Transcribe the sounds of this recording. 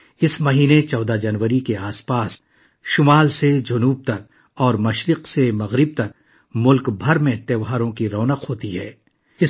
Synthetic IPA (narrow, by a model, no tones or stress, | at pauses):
ɪsmɐɦiːnet͡ʃɔːd̪ad͡ʒɐnʋəɾikeaːspaːs | ʃʊmaːlsed͡ʒɐnuːb̚t̪ɐk̚ | ɔːɾmɐʃɾɪqsemɐɣɾɪb̚t̪ɐk | mʊlkbʱɐɾmẽt̪eːʋɦaːɾõkiɾɔːnəqɦoːt̪iɦɛ̰ː | ɪ